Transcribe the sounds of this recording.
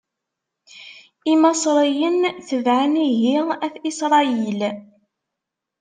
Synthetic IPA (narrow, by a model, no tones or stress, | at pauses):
imɑsˤɾˤijənθəvʕaniʝiʁæθisɾˤɑil